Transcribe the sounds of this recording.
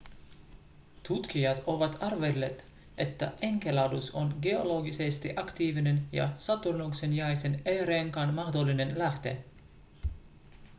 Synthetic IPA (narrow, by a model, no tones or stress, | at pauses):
t̪ut̪k̟ijɑt̪o̞ʋɑt̪ɑrʋelːet̪ | ʔe̞t̪ːæ̰ʔeŋkelɑwduso̞̰nɡe̞o̞lo̞ɡisest̪iʔɑkt̪iːʋine̞njɑ̰sɑt̪urnuksenjɑjseneːɾeːŋkɑnmɑxd̪olːine̞nlæht̪e̞̰